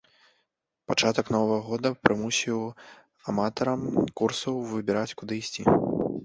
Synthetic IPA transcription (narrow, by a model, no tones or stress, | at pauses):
pat͡ʂat̪ɐknɔvɐɣɐɣɔd̪ɐpɾɨmusʲiw | amat̪ɐɾɐmkursɐwvɨbʲɛɾat͡sʲkud̪ɨisʲt͡sʲḭ